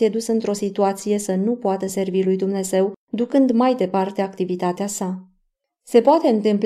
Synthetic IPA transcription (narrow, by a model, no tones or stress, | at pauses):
ied̪usɨnt̪ɾo̞sit̪uat̪sije̞sənupoat̪əse̞rvilujd̪umne̞ze̞wd̪ukɨnd̪majd̪e̞part̪eakt̪ivit̪at̪easa | se̞poat̪e̞ɨnt̪ɨmpl